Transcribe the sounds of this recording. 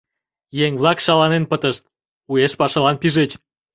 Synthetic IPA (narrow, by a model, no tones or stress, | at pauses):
jeŋβlɑkʃɑlɑnenpət̪əʃt̪̚ | ujeʃpɑʃɑlɑnpiʒet͡ɕ